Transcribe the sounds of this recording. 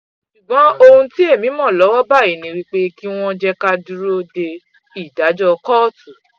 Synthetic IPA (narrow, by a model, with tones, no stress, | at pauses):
ʃu˨ɡ͡bɔ̃˨˦o˧hũ˧ti˦e˦˨mĩ˨˦mɔ̃˦˨lɔ˨˦wɔ˦ba˦˨i˨˦nĩ˧˦˧ɾi˦k͡pe˦ki˦w̃ɔ̃˦d͡ʒɛ˦ka˦du˦ɾo˦de˧ | i˨da˨˦d͡ʒɔ˧kɔ˦˨tu˨˦